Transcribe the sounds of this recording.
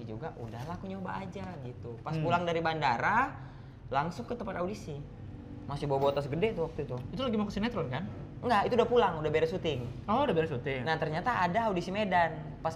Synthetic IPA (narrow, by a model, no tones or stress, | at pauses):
id͡ʒuɡaʔudahlakuɲoba̰ʔːd͡ʒaɡit̪upaspulaŋdaɾibandaɾa | laŋsʊŋkət̪əmpat̪audisi | masɪbawabot̪as̬ɡədɛt̪uwak̚t̪ut̪uit̪ulaɡimakəsinat̪ɾɔnkanŋɡait̪uːdahpulaŋudahbeɾɛsut̪ɪŋɔudabeɾɛsut̪ɪŋnat̪ərɲat̪aʔːdaːudisimedan | pas